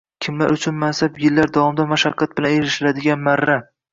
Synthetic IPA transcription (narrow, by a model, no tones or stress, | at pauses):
kʲʰɪmla̰ɾʊt͡ʃʰʊnmansapjɪlːaɾd̪avɒmd̪amaʃaqʰːɑt̪̚bɪlaneɾɪʃɪɾad̪ɪɡʲanmaɾːa